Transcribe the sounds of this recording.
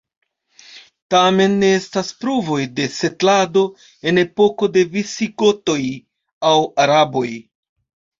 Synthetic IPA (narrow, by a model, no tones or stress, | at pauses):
tame̞nːe̞e̞staspɾuvo̞jde̞se̞tlado̞ | e̞ne̞po̞ko̞de̞visiko̞to̞j | awaɾabo̞j